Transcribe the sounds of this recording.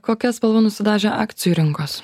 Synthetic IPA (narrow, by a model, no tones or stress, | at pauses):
koːkʲɛspɐlˠʋɐnʊsʲɪd̪ɑːʒʲɛʔɑːkt̪sʲɪjuːɾʲɪŋkoːs